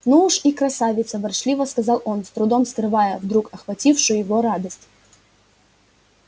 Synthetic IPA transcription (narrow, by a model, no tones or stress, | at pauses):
nuuʂikɾɐsavʲɪt̪səvɐrʂlʲivəskɐzɑlˠonst̪ɾʊd̪omskɾɨvajəvd̪ɾukɐxvɐtʲifʂɨjʊjɪvoɾad̪əsʲtʲ